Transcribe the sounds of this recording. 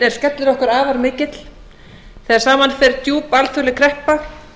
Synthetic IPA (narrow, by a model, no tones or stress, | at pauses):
ɛɾ̥skɛt̪lɪɾɔhkʏɾaːvaɾmɪːcɪt̪l̥ | θɛːðaɾ̥saːmanfɛɾt̪juːpalt̪ʰʏlɪkʰɾɛhpax